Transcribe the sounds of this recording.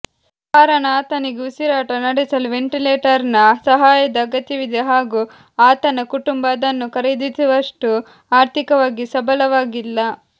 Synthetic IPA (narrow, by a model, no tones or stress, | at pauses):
kaːɾɐɳaːt̪ɐneɡusiɾaːʈɐnɐɽisɐluʋeɳʈileːʈɐɾnɐsɐɦaːjɐd̪ɐːɡɐt̪jɐʋid̪ʱɛɦaːɡu | aːt̪ɐnɐkuʈumbaːd̪ɐnːukɐɾed̪isuʋɐʂʈu | aːɾt̪ʰikɐʋaːɡisɐbɐlɐʋaːɡilːɐ